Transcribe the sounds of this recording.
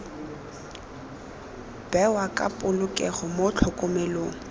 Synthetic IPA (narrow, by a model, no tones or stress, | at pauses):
b̥ɛwakʼa̰pʼʊlʊkʼɛχʊmot͡ɬʰʊkʼʊmeloːŋ̩